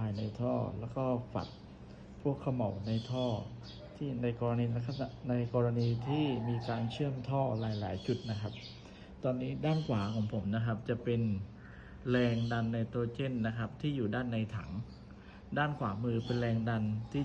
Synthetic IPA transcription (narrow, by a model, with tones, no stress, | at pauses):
pʰaː˧jna˧jt̪ʰɔː˥˩lɛː˦˥wkɔː˥˩fa̰˨˩t̪̚ | pʰu˥˩əkʰːa˧ma˨˩˦wna˧jt̪ʰɔː˥˩ | t̪ʰiː˥˩na˧jkɔː˧ɾa˧niː˧a˦kʰa˨˧na˧jkɔː˧ɾa˧niː˧t̪ʰiː˥˩miː˧kaː˧nt͡ɕʰɯ˥˩əmt̪ʰɔː˥˩ɾaː˩˦jla̰ː˩˦jt͡ɕu˨˩t̪̚na˦˥kʰa˦˥p̚ | t̪ɔː˧nːiː˦˥daː˥˩nkʰwaː˩˦kʰɔː˩˦ŋpʰo˩˦mna˦˥kʰa˦˥p̚t͡ɕa˨˩pe˧n | lɛː˧ŋda˧nːa˧jt̪oː˧t͡ɕe˥˩nːa˦˥kʰa˦˥p̚t̪ʰiː˥˩juː˨˩daː˥˩nːa˧jt̪ʰa̰˩˦ŋ | daː˥˩nkʰwaː˩˦mɯː˧pe˧nlɛː˧ŋda˧nt̪ʰiː˥˩